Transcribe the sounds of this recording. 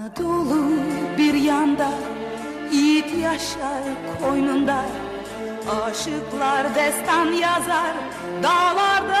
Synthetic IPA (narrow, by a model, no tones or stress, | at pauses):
d̪ʰolˠubiɾjɑnd̪ɑ | it̪ʰjɑʃɑɾkʰojnund̪ɑ | ɑʃɨqlˠɑɾd̪ɛst̪ɑnjɑzɑɾ | d̪ɑlˠɑɾd̪ɑ